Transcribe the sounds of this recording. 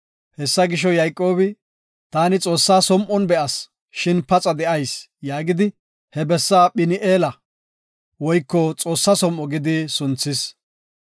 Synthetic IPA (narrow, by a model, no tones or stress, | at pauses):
hɛsːɐɡɪʃɔjɐjkʼːo̞ːbɪ | t̪aːnɪt͡sʼo̞ːsːaːsɔmʔɔnbɛʔɐs | ʃɪnpɐt͡sʼɐd̪ɛʔɐjs | jaːɡɪd̪ɪ | hɛbɛsːaːɓɪnɪʔeːlɐ | wɔjkːɔt͡sʼo̞ːsːasɔmʔɔɡɪd̪ɪsʊnt͡sːɪs